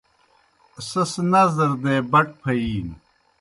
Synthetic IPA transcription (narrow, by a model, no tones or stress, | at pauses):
sɐsnɐzɐɾd̪eːbɐʈ̚pʰɐiːn